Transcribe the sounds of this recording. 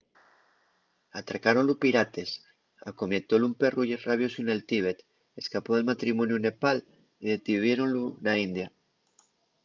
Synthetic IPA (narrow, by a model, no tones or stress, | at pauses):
at̪ɾakaɾonlupiɾat̪e̞s | a̰komet̪olumpe̞ruʎeraβ̞josune̞lt̪iβet̪ | eskapoðe̞lmat̪ɾimonjune̞pal | iðet̪iβ̞jeɾonlunaind̪ja